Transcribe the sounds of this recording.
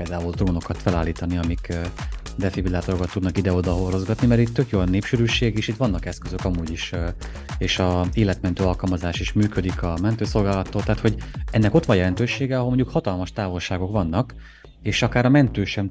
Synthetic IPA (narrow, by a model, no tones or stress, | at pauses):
peːld̪aːult̪roːno̞kɒt̪fɛlaːlːiːt̪ɒniɒmik | d̪ɛfibilaːt̪o̞ɾo̞kɒt̪ːud̪nɒkid̪ɛo̞d̪ɒɦoro̞zɡɒt̪nimɛɾit̪ːø̞kjoːnːeːpʃyɾyːʃeːɡeːʃit̪ʋɒnːɒkɛskøzøkɒmuːɟiʃ | eːʃɒeːlɛt̪mɛnt̪øːɒlkɒlmɒzaːʃiʃmyːkød̪ikɒmɛnt̪øːso̞lɡaːlɒt̪ːoːlt̪ɛaɦːt̪ho̞ɟɛnːɛko̞t̪ʋɒnjɛlɛnt̪øːʃeːɡɛɒɦolmoɲɟukhɒt̪ɒlmɒʃt̪aːvo̞lʃaːɡo̞kʋɒnːɒk | eːʃɒkaːɾɒmɛnt̪øːʃɛm